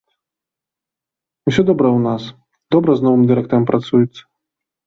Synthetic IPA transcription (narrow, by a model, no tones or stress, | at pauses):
usʲɔd̪ɔbɾɐwnas | d̪ɔbɾɐznɔvɨmd̪ɨɾɛk̚t̪ɐɾɐmpɾat̪sujɛt̪sːɐ̥